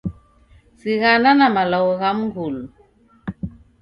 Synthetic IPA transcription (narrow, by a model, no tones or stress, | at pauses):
siɣananamalawɣamɡul